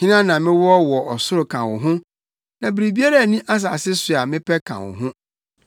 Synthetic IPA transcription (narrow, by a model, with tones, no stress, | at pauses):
ɲɪ̃˦nã˦nã˨mɪ̃˦wɔ˦wɔ˨ɔ˨sʊ˦ɾʊ˨kʰã˨wʊ˨ɦʊ̃˦ | nã˨bɾi˨bi˦a˦ɾa˦˨nĩ˦ʔa˦s̬aː˨sɪ˦sʊ˨a˨mɪ̃˦pʰɛ˦kʰã̰˨wʊ̰˨ɦʊ̃˦